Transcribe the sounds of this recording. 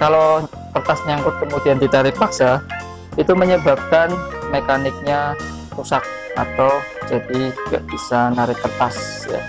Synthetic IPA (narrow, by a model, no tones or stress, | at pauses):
kalo | t̪ərt̪asɲaŋkʊt̪̚kəmudiand̪it̪aɾɪpaksa | it̪uməɲəbap̚kanmekanɪk̚ɲa | tusak̚ | ʔa̰t̪awd͡ʒadiŋɡa̰ʔb̥isanaɾɪhp̪ərt̪as | ja̰